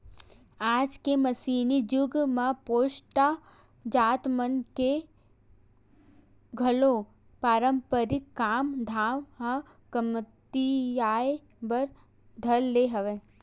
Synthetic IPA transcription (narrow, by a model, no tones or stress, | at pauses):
aːd͡ʒkeməsiːnid͡ʒʊɡmãpoːʃʈa | d͡ʒaːt̪mənke | ɡʱəlo | paːɾəmpəɾɪkkːaːmd̪ʱaːʋɦə | kəmt̪ijaj | bəɾ | d̪ʱəlːeɦəʋe